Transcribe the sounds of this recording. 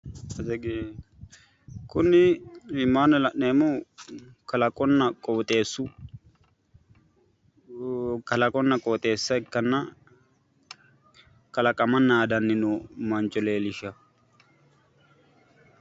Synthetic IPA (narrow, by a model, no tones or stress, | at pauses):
ɐsɛɡe | kʊnːɪɪmːaːnɐlɐʔneːmɔ | kɐlɐkʼɔnːɐkʼɔt̪ʼeːsːʊ | kɐlɐkʼɔnːɐkʼɔt̪ʼe̞ːsːɐɪkːɐnːɐ | kɐlɐkʼɐmɐnːaːd̪ɐnːɪnʊmɐnt͡ʃʼɔleːlɪʃɐ